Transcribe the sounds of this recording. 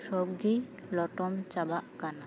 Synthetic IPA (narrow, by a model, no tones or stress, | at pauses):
ʃɔb̚ɡi | lɔʈɔmt͡ʃabaʔkana